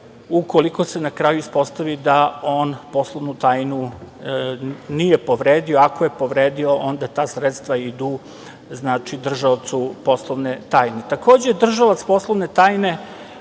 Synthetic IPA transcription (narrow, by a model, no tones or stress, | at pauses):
ukoliko̞se̞nakɾaːjuispo̞st̪aʋid̪ao̞ːnpo̞slˠoʋnut̪aːjnu | nijepo̞ʋɾeːd̪io̞akoje̞po̞ʋɾeːd̪io̞ʔo̞nd̪at̪aːsɾet̪st̪ʋaid̪u | znaːt͡ʃid̪r̩ʒat̪supo̞slˠoʋnet̪aːjnet̪akoːd͡ʑejd̪r̩ʒalat̪spo̞slˠoʋne̞t̪aːjne̞